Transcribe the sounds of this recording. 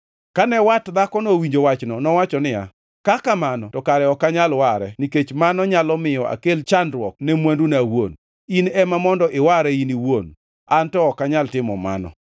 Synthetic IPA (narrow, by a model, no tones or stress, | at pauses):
kanɛwatd̪akɔnowiɲd͡ʒowat͡ʃnɔnɔwat͡ʃɔnɪja̰ | kakamanɔtɔkaɾɛɔkaɲalwaɾɛniket͡ʃmanɔɲalɔmɪjɔʔa̰kelt͡ʃandɾwɔk̚nɛmwandunawon | inɛmamɔndɔʔɪwaɾɛiniwon | antɔːkaɲaltɪmɔma̰nɔ̰